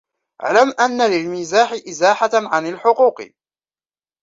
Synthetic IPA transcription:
ʔa̰ʕlamʔanːalɪlmɪzaːħɪʔɪzaːħaʕanalħʊquːq

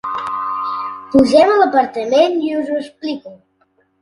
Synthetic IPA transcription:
puʒɛmələpəɾt̪əmeniuzuəspliku

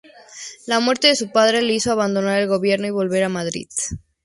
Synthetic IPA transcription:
lamwe̞ɾt̪e̞ðesupaðɾe̞leisoaβand̪o̞naɾe̞lɣo̞βje̞ɾno̞iβo̞lβe̞ɾamaðɾḭð

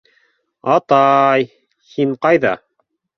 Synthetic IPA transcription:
ɑt̪ɑj | hiɴqɑjðɑ̰

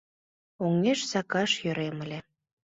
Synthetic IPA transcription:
oŋeʃsɑkɑʃjø̆ɾemə̆lʲĕ

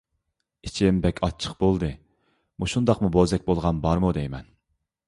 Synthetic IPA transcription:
i̥t͡ʃʰimbɛkʲʰɑt͡ʃʰə̥q̚bolˠd̪ɨ | muʃund̪ɑqmubozɛk̚ʲbolˠʁɑnbɑɾmud̪ɛjmɛn

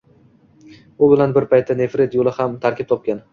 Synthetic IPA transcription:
ʊbɪlanbɪɾpʰajt̪ʰːane̞fɾe̞t̪jolɪhamt̪ʰaɾkʲɪp̚t̪ʰɒp̚kʲan

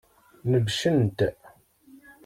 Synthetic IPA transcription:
nəvʃənt̪

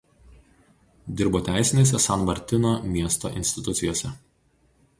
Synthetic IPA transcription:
d̪ʲɪɾboːt̪ʲæˑɪsʲɪnʲeːs̬ʲɛsɐnmɐɾʲt̪ʲɪnoːmʲiɛst̪o̰ːʔɪnʲsʲt̪ʲɪt̪ʊt̪sʲɪjoːsʲɛ

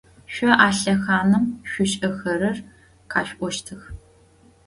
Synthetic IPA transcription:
ɕʷɔʔaːɬɐxaːnɨmɕʷʊɕʼɐxɐɾɐr | qʰaːɕʷʔʷɔʃtʰɨx

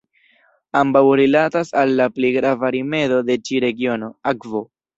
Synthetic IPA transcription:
ambawɾilatasalːaplejɡɾavaɾime̞do̞de̞t͡ʃiɾe̞ɡio̞no̞akvo̞

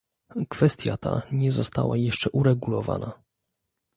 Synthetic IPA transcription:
kfɛst̪ʲjat̪a̰ɲɛzɔst̪awajɛʂt͡ʂɛʔuɾɛɡulɔva̰na

